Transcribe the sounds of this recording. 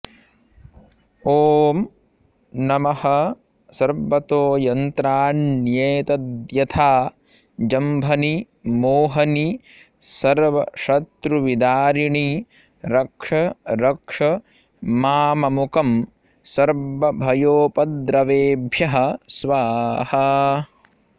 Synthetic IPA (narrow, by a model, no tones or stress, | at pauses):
oːm | nɐmɐhɐ | sɐɾbɐt̪oːjɐnt̪ɾaːnːjeːt̪ɐd̪jɐt̪ʰaː | d͡ʒɐmbʱɐni | moːɦɐni | sɐɾʋɐʃɐt̪ɾuʋid̪aːɾiɳi | ɾɐkʂɐɾɐkʂɐ | maːmɐmukɐm | sɐɾʋɐbʱɐjoːpɐd̪ɾɐʋeːbʱjɐɦɐ̆sʋaːhɐ̆